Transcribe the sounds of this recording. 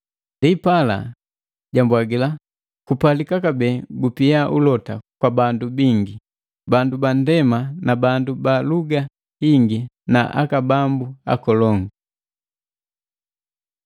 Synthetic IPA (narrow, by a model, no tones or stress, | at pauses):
ndiːpala̰ | ɟambwaɡila | kupalikakabɛːɡupiaʔulɔtakwabandubiŋɡi | bandubandɛmanabandubaluɡa | hiŋɡi | naʔa̰kabambua̰kɔlɔŋɡu